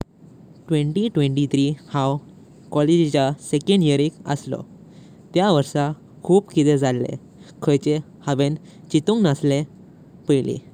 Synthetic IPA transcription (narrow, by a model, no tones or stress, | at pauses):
ʈʋẽɳʈiʈʋẽɳʈit̪ʰɾihãw | kɔled͡ʑit͡ɕasekẽɳɖjəɾikə̰slɔ̰ | t̪jaʋəɾsa | kʰuːpkit̪ed͡zʱalːḛ̃ | kʰəjt͡ɕe | haʋen | t͡ɕit̪ũŋknasle | pəjlḭ